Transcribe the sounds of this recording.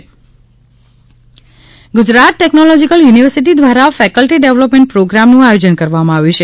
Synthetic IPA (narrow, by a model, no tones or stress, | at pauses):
ɡʊd͡ʒɾat̪̚ʈɛknolɔd͡ʒikəljuniʋəɾsiʈid̪ʋaɾafɛkəlʈiɖeʋlɔpmẽɳʈ̚pɾoɡɾamnũajod͡ʒənkəɾʋamãaʋjũt͡ʃʰe